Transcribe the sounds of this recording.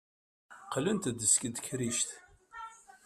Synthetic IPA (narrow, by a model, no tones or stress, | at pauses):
qlənt̪d̪ːəskəd̪kɾiʃt̪